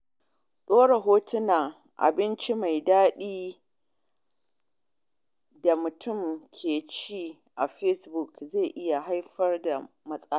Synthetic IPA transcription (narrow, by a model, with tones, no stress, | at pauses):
ɗoː˦ɽe˨ɦoː˦tʊ˦na˨ | ʔa̰˨bɪ˦nt͡ʃi˦ma˨jdaː˦ɗiː˦ | da˨mʊ˨tʰʊ˦˨mkʲʰeː˨t͡ʃiː˦ | ʔa̰˨ɸɛ˦sbʊ˨kze˦˨jʔɪ˦ja˨ɦa˦jɸɐ˦rda˨ | mɐ˦sʼa˦